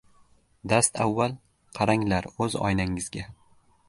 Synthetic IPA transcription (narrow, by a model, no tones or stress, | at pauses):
d̪ast̪ʰavːalˠ | qʰɑɾaŋlaɾɵzɒ̰jnaŋɪzɡʲa